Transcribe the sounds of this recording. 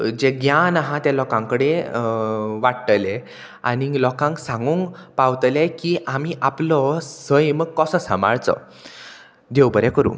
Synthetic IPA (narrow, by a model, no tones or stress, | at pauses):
d͡ʑeɡjanaɦãt̪jalɔkãŋkəɽẽ | ʋaɽʈəle | a̰nilɔkãŋksãŋɡuŋkpawt̪lɛkiʔamiʔaplɔsəjməɡ̚kɔsɔsama̰ɭt͡sɔ̰ | d̪ewbəɾɛkəɾṵ̃ː